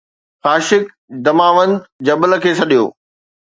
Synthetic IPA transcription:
xaːʃɪk̚ | d̪ɐmaːʋə̃nd̪d͡ʑɐbələ̆kʰeːsɐɗijo̰ː

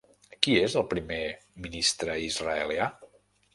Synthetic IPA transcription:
kiezəlˠpɾimeminist̪ɾəizrəəlja

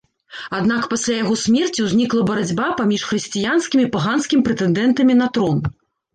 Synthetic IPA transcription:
ad̪nakpasʲlʲajaɣɔsʲmʲɛrt͡sʲiwzʲnʲiklˠɐbɐɾad͡zʲbapamʲiʂxɾɨsʲt͡sʲijanskʲimʲipaɣanskʲimʲipɾɛt̪ɛnd̪ɛnt̪ɐmʲinɐt̪ɾɔn

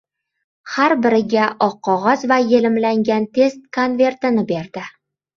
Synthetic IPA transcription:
haɾbɪɾɪɡʲaʔɒqqʰːɒʁɒzvajelɪmlaŋɡʲant̪ʰe̞st̪̚kʰonve̞ɾt̪ɪnɪbe̞ɾd̪ɪ

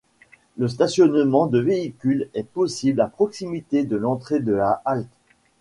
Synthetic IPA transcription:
ləs̬t̪asjɔnmɑ̃d̪əveikʲylɛpɔsiblapχɔksimit̪ed̪əlɑ̃t̪χed̪əlaʔalt̪

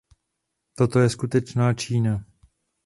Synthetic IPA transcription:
t̪o̞t̪o̞jɛskut̪ɛt͡ʃnaːt͡ʃiːna

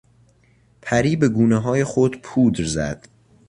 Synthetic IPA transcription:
pʰæɾiːbe̞ɡuːneɦɒːje̞xod̪pʰuːd̪ɾzæ̰d̪̥

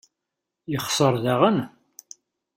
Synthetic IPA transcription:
jəχsˤəɾˤðaʁən

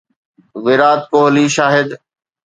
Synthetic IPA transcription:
ʋɪɾaːt̪̚koːɦliːʃaːɦɪd̪

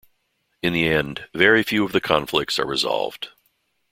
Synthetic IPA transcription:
ɨ̃nðiɛ̃ndvɛɹifjʉʌvðɨkʰɑ̃ɱflɪk̚tsə̰˞ɹɨzɑ̰lˠvd̥

